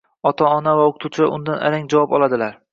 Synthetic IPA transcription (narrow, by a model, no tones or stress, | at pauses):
ɒt̪ʰaɒnavaoqʰʊt̪ʰuwt͡ʃʰɪʊ̰nd̪anʔa̰ɾaŋd͡ʒavɒpɒlˠad̪ɪlaɾ